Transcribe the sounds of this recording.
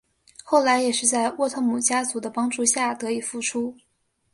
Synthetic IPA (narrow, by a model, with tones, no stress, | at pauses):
xo˥˩ʊla˧˥ɪjɛ˨˩ʂɻ̩˥˧t͡sa˥˧ɪwɔ˥˧˩t̪ʰo˥˩ŋmu˨˩t͡ɕja˥t͡su˧˥d̪ə˧pɑ˥ŋʈ͡ʂu˥˧ɕja˥˩t̪ɤ˧˥i˨˩fu˥˩ʈ͡ʂʰu˥